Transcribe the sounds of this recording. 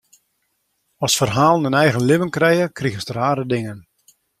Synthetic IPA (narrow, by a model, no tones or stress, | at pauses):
ɔsfərɦaːlˠənənɛjɣənlɪʋənkrɛjəkriɣənstəraːɾədɪŋən